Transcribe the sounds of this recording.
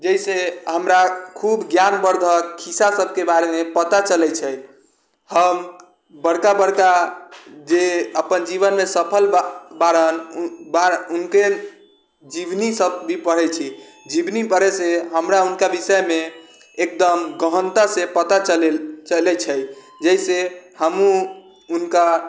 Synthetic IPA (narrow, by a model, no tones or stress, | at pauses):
d͡ʒəiseɦəmɾakʰubɡjanbəɾd̪ʱəkkʰːisasəb̚ʱkebaɾemepət̪at͡ʃəlɛt͡ʃʰɛj | həm | bəɽkabəɽka | d͡ʒeəpənd͡ʒibənmesəpʰəlbaɾənbaunke | d͡ʒibnisəb̚bʱipəɽ̤ɛt͡ʃʰi | d͡ʒibnipəɾeseɦəmɾaunkabisəjme | ek̚d̪əmɡəɦənt̪əsepət̪at͡ʃlt͡ʃəlɛt͡ʃʰə | d͡ʒəisehəmũ | unka